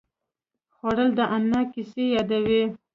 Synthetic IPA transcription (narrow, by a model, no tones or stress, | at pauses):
xwɑɽəld̪əʔamnɑkisejɑd̪awi